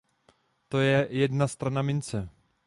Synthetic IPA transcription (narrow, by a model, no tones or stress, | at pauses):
t̪o̞jɛjɛdnast̪ɾanamɪnt͡sɛ